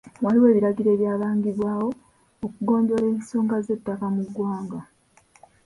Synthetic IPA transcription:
waliwe̞ːβiɾaɡiɾe̞ːβjaːβaːŋɡiβwaːwo̞ | okuɡo̞ːndo̞ɾeːnso̞ːŋɡaze̞tːakamuɡwaːŋɡa

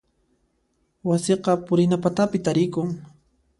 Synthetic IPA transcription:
wasɪqɑpʊɾɪnapat̪apɪt̪aɾɪkʊŋ

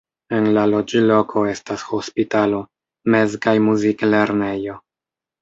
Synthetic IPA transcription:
e̞nlalo̞d͡ʒilo̞kʰo̞e̞stasho̞spitalo̞ | me̞zkajmuzikle̞ɾnejo̞

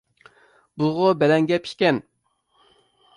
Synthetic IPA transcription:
buʁobɛlɛŋɡʲɛpʰi̥ʃʲkʲɛn

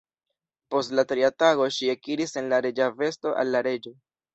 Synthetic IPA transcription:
po̞stlatɾiataɡo̞ʃiekiɾise̞nlaɾed͡ʒave̞sto̞ʔa̰lːaɾe̞d͡ʒo̞

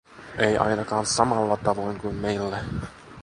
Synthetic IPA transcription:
ejʔɑ̰jnɑkɑːnsɑmɑlːɑt̪ɑʋo̞jŋkujmmejlːæ

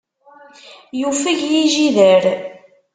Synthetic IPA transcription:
jufəʝjiʒiðəɾ

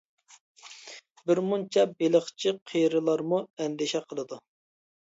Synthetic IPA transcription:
bɪɾmunt͡ʃʰɛbeləχt͡ʃʰiqʰejɾɨlˠɑɾmuɛnd̪ɪʃɛqʰəlˠɨd̪u

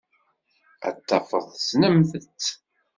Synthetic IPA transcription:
ə̰t̪ːɑfə̰ðˤsnəmθət͡sː

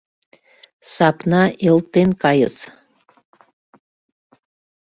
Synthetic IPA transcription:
sɑpnɑʔelt̪ːenkɑjəz

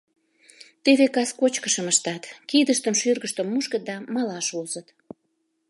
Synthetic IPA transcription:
t̪eβekɑskot͡ɕkəʃəməʃt̪ɑt̪kid̪əʃt̪əmʃyrɣəʃt̪əmːuʃkət̪̚d̪ɑmɑlɑʃuzət̪

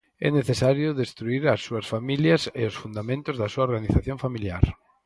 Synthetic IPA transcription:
ɛ̰neθesaɾjʊðest̪ɾuiɾɐsːuɐsfamiljɐsɪʊsfund̪amẽnt̪ʊzðɐsuɐoɾɣaniθaθjoɱfamilja̰ɾ

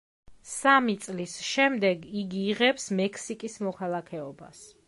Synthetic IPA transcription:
samit̪sʼlisʃɛmd̪ɛɡiɡiːʁɛpsmɛkʰsikʼismɔkʰalˠakʰɛɔba̰s

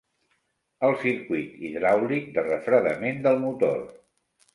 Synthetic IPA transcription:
əlˠsiɾkwit̪iðɾawlik̚d̪ərəfɾəðəmend̪əlˠmut̪o̰r

